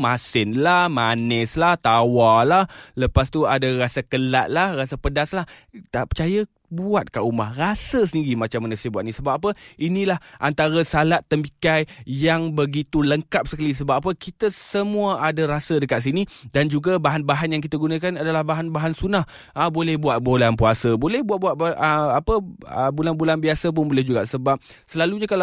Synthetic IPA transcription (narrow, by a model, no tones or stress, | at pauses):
masɪnlahmanəslaht̪awalahləpast̪uadarasakəlaʔ̪̚lahrasəpədaslaht̪aʔpət͡ʃajə | buat̪̚kaʔumahrasəs̬əndiɾimat͡ʃamːanasiəbuat̪̚nisəbap̚ap̬əinilahʔant̪aɾəsalat̪ːəmbikajjaŋbəɡit̪uləŋkap̚səkalis̬əbap̚ap̬əkit̪əsəmuəʔadəɾasədəkat̪̚s̬inidand͡ʒuɡabaɦanbaɦanjaŋk̬it̪aɡunãkanadalahbaɦanbaɦansunah | əbolɛhbuat̪̚bolanpuasəbolɛhbuwat̪̚buat̪̚bəapəə̰bulanbulanbiasəp̬ʊnbolɛhd͡ʒuɡaʔsəbap̚ | səlaluɲakala